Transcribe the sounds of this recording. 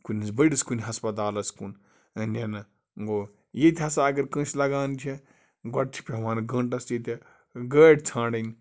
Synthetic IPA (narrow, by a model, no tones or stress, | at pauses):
kunʲisbɐɽiskunʲɦɐspɐt̪̬aːlɐskun | nʲɐnɐ | ɡo | jet̪ʲʰɦɐsaːɡɐɾkə̃ːslɐɡaːnt͡ʃʰi | ɡɔʈ̚t͡ʃʲʰi̥pʲeʋaːnɡɐ̃ɳʈɐsjit̪ʲe | ɡəːʈt͡sʰãːɳɖɐnʲ